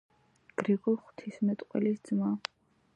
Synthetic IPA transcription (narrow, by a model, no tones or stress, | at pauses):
ɡ̥ɾiɡɔlˠχw̥t̪ʰismɛt̪ʼqʼwɛ̰lisd̪zma